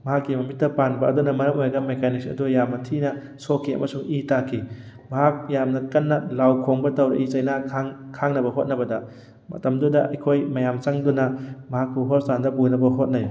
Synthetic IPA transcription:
mɐɦakːimɐmit̚dɐpanbɐʔɐ̰dunɐmɐɾɐmojɐɡɐmekaniksɐ̰dujamnɐtʰinɐ | sokʰːiɐ̰mɐsuŋitakʰi | mɐɦak̚jamnɐkɐnːɐlawkʰoŋbɐtɐwɾɐ̰ʔit͡ʃɐjnakʰaŋkʰaŋnɐbɐɦot̚nɐbɐdɐ | mɐ̰tɐmdudɐʔɐ̰jkʰojmɐjamt͡ʃɐŋdunɐmɐɦakːuɦostandɐbunɐbɐɦot̚nɐj

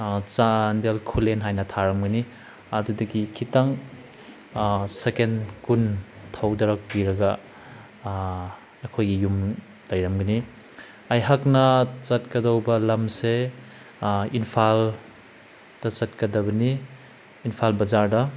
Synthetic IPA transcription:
t͡ʃandelkʰulenɦajnɐtʰaɾɐmɡɐni | ɐdudɐɡikʰitaŋ | sekenkun | tʰawdɐɾɐk̚piɾɐɡɐ | kʰojɡijum | lɐjɾɐmɡɐni | ɐjɦaknɐt͡ʃɐt̚kɐdɐwbɐlɐmse | inpʰal | d̥ɐt͡ʃɐt̚kɐdɐbɐniː | npʰalbɐzaɾdɐ

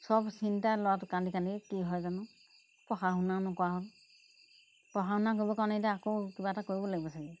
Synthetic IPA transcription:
sɔbsintalɔwatʊkandikanikiɦɔjzanʊ | pɔxaɦunanɔkɔwaɦɔl | pɔxahunak̬oɹibɔkawnetaakokibatakoɹibɔlaɡibɔsaɡɛ

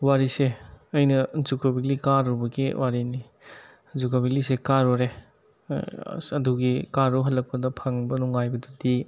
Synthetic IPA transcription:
waɾiseɐjnɐzukobilikaɾubɐɡiwʔaɾini | zukobilisekaɾɔɾḛ | ɐduɡikaɾuɦɐlːɐk̚pɐdɐpʰɐŋbɐnuŋajbɐdudi

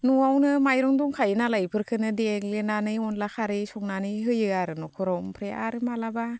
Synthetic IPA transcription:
nuawnɯmajɾɔŋdɔŋkʰajɯnalajpʰɯɾkʰɯnɯdeek̚lenanɯjɔnlakʰaɾɯjsɔŋnanɯjɦɯjɯaɾɯnɔkʰɔɾɔwmpʰɾeʔaɾɯmalaba

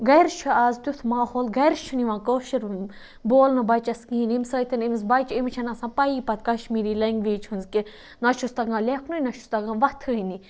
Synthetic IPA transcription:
ɡɐjɾʃʰuaːzt̪ʲut̪ʰmaːhoːlɡɐjɾʃʰuniʋãːkoːʃiɾ | boːlnɐbɐt͡ʃɐskiːnimsəːt̪ʰɐnimisbɐjt͡ʃimt͡ʃʰɐnɐsãːpɐiːpɐt̪̚kɐʃmiːɾiːlɐŋɡʋiːt͡ʃʰhunzke | nɐʃʰust̪ɐɡãːlʲekʰnunɐʃu̥st̪ɐɡãʋɐt̪ʰɨini

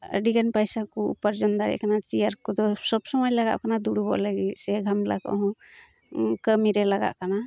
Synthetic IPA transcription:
ə̰ɖiɡanpajsakuupəɾd͡ʒɔnd̪aɾɛ̰ʔkanat͡ʃiaɾkɔd̪ɔsɔbsɔmɔjlaɡa̰ʔkanad̪uɽubɔ̰ʔlaɡisɛɡʱamla̰kɔ̰ɦɔ̃ | kəmiɾɛlaɡa̰ʔkana

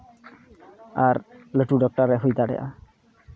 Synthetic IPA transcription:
aɾləʈuɖɔk̚ʈaɾɛɦojt̪aɽɛ̰ʔa̰

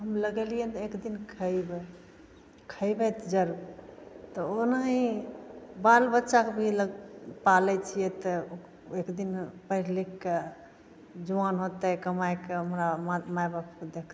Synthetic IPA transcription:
ɦəmləɡɛliɛ̃t̪ɔekd̪inkʰəjbɛ | kʰəjbɛt̪d͡ʒəɾuɾt̪ɔonaɦĩ | balbətːʃakebʱiləɡpalɛt͡ʃʰijɛt̪ə | ekd̪inpəɦiɾlikːe | d͡ʒuanɦot̪ɛkəmajkeəmɾamamajbapked̪ek̪ʰ

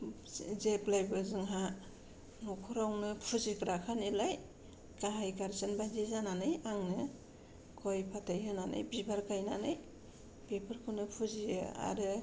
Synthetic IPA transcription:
zeplajbɯzɯŋɦa | nɔkʰuɾawnɯpʰuzikɾakʰanilaj | kaɦajkaɾsɯnbazizananɯjaŋnɯ | kʰɔjpʰatʰajhɯnanɯ̰jbibaɾkajnanɯj | pepʰɯɾkʰɯnɯpʰuziɯa̰ɾɯ

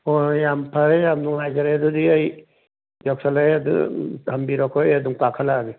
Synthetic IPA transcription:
ɔjampʰaɾejamnuŋajzaɾajadudiaj | d͡ʒɔk̚salajadṵhambiɾɔkʰɔjaduŋpakʰalaɡi

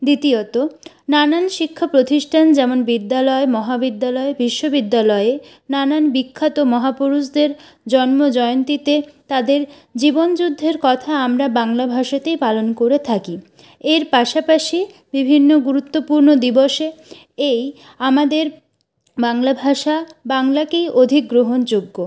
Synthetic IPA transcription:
d̪it̪iot̪o | nananʃikʰːapɾot̪iʃʈʰand͡ʑɛmonbid̪ːalɔemɔɦabid̪ːalɔebiʃːobid̪ːalɔee | nananbikʰːat̪omɔɦapuɾusd̪eɾ | d͡ʑɔnmod͡ʑɔeont̪it̪et̪ad̪eɾ | d͡ʑibond͡ʑud̪ʱːeɾkɔt̪ʰaamɾabaŋlabʱaʃat̪ejpalonkoɾet̪ʰaki | eɾpaʃapaʃi | bibʱinːoɡuɾut̪ːopuɾnod̪iboʃe | ej | amad̪eɾ | baŋlabʱaʃabaŋlakejʔod̪ʱik̚ɡɾoɦond͡ʑoɡːo

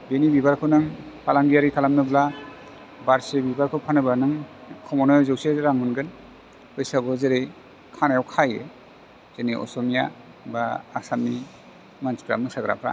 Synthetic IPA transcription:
benibibaɾkʰɯwnɯŋpʰalaŋɡijaɾikʰalamnɯbla | baɾsebibaɾkʰɯwpʰanɯbanɯŋkʰɔmɔnɯzɯwseɾaŋɯnɡɯn | ɯjsaɡɔzeɾej | kʰanajawkʰaje | z̥eniʔɔ̰sɔmija | baːk̚samni | manspɾa̰mɯsaɡɾa̰pʰɾa̰

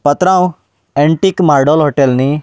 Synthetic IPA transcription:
pət̪ɾãw | ẽɳʈiːkmaɾɖolɦoʈelni

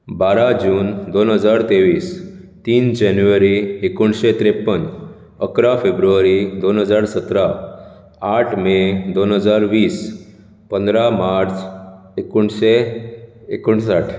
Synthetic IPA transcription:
baɾad͡ʑuːnd̪onɦəd͡zaɾt̪eʋiːst̪iːnd͡ʑɛnjuʋəɾiekuɳɕet̪ɾepːən | əkɾafebɾuʋəɾid̪onɦəd͡zaɾsət̪ɾa | aʈʰmed̪onɦəd͡zaɾʋiːs | pənd̪ɾamaɾt͡s | ekuɳɕe | ekuɳsaʈʰ

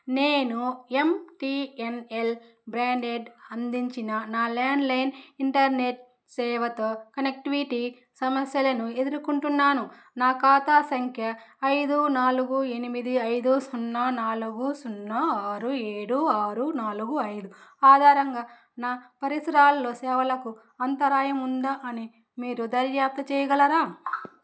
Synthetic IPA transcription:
neːnue̞mʈienel | bɾaːɳɖeɖɐnd̪iɲt͡ʃinɐnaːlaːɳɖlɐjniɳʈɐɾneʈ̚ | sɛːʋɐt̪oːkɐnek̚ʈiʋiʈi | sɐmɐsjɐlɐnue̞d̪uɾukuɳʈunːaːnu | naːkaːt̪aːsɐŋkʰjɐːjd̪unaːluɡue̞nimid̪iɐjd̪usunːɐnaːluɡusunːɐaːɾueːɽuaːɾunaːluɡuɐjd̪uaːd̪ʱaːɾɐŋɡaː | naːpɐɾisɐɾaːllo̞ːsɛːʋɐlɐku | ɐnt̪ɐɾaːjɐmund̪aʔɐni | miːɾud̪ɐɾjaːp̚t̪ɐt͡ʃɛːjɐɡɐlɐɾaː

